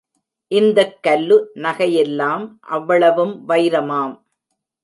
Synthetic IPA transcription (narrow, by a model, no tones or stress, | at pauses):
ʔɪnd̪ɐkːɐlːɯnɐɣɐjɛlːaːmʔɐʋːɐɭɐʋɯmʋɐɪɾɐmaːm